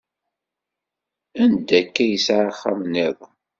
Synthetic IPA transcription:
ænd̪ækːæjəsʕaχːa̰mnɪðˤ

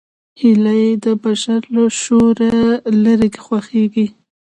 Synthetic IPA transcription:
hilajed̪əbaʃaɾlaʃoɾalaɾeke̥xwaxeɡi

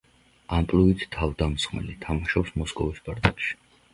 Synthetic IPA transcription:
ampʼluit̪ʰt̪ʰːavd̪amsχmɛ̰lit̪ʰamaʃɔpsmɔskʼɔvisbaɾt̪ʼɛpʃi̥

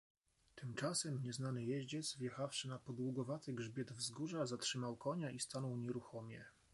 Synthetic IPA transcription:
t̪ɘmt͡ʂasɛmɲɛznanɘjɛʑd͡ʑɛd̪zvjɛxafʂɘnapɔd̪wuɡɔvat̪ɘɡʐbʲjɛd̪vzɡuʐazatʂɘmawkɔɲaʔist̪anɔwɲɛɾuxɔmʲjɛ

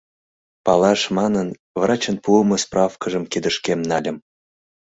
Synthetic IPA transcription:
pɑlˠɑʃmɑnən | vrɑt͡ɕənpuəmɤsprʔɑfkəʒə̆mkid̪əʃkʲemnɑlʲə̆m

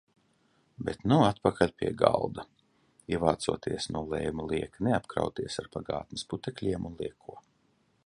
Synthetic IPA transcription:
bɛt̪nuat̪̚pakalʲpʲiɛɡa̰lˠd̪ɐ | iɛvaːt̪sṵɔt̪ʰiɛsnuɔlˠɛ̰jmulˠiɛkneapkɾa̰wt̪iɛsaɾpaɡa̰ːt̪nɪ̥sput̪ɛklʲiɛmunlˠiɛkʰuɔ

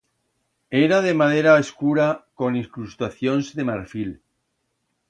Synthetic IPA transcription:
eɾað̞e̞mað̞eɾaeskuɾako̞niŋkɾust̪aθjonzðe̞maɾfil

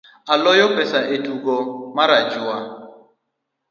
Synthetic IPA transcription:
alɔjɔpɛsaʔetuɡɔmaɾad͡ʒua

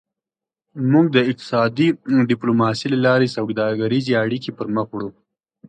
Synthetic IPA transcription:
muɡ̚d̪əɪk̚t̪ɪ̥sɑd̪iɖɪplomɑsilalɑɾesawɡd̪ɑɡaɾizeaɽikipəɾməxwɽu

